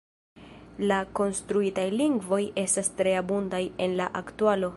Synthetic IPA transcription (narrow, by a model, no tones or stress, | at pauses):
lako̞nstɾuitajliŋɡvo̞je̞stastɾe̞abundaje̞nlaʔaktualo̞